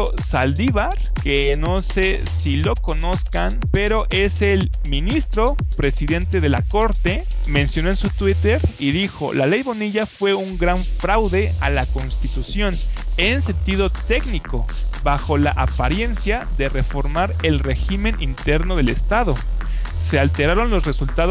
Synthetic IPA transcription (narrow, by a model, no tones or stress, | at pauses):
o | sald̪iβaɾ | ke̞no̞se̞ | silo̞ko̞no̞skanpe̞ɾo̞ʔe̞sel | mĩnist̪ɾo̞pɾe̞siðe̞nt̪e̞ðe̞la̰ko̞ɾt̪e̞mẽ̞nsjonoensut̪wit̪e̞ɾiðixo̞̰lale̞jβo̞niʝafwe̞uŋɡɾaɱfɾawðe̞alako̞nst̪it̪usjo̞nense̞nt̪iðo̞t̪e̞ɣniko̞̰βaxo̞laʔapaɾje̞nsjaðe̞re̞fo̞ɾmaɾe̞lre̞ximẽ̞nʔint̪e̞ɾno̞ð̞e̞le̞st̪aðo̞se̞alt̪e̞ɾaɾo̞nlosre̞sult̪að